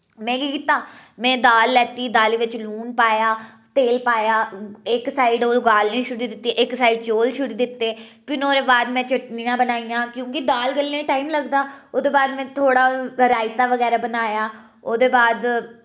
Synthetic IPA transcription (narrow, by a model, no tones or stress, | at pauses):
mɛ̃ːɡiːkiːt̪ːaːmɛ̃ːd̪aːlːɛːt̪iːd̪aːliːʋɪt͡ʃluːnpaːjaː | t̪eːlpaːjaːɪksaːiɖoːlɡaːlniːʃʊɽiːd̪ɪt̪ːiːʔɪksaːiɖ̚t͡ʃoːlʃʰʊɽiːd̪ɪt̪ːeːpɪnoːɾeːbaːd̪mɛ̃ːt͡ʃəʈnijãːbənaːijãːkjõːkɪd̪aːlɡəlːʈaːimləɡd̪aːoːd̪eːbaːd̪mɛ̃ːt̪ʰoːɽaːɾaːit̪aːʋəɡɛːɾaːbənaːjaː | oːd̪eːbaːd̪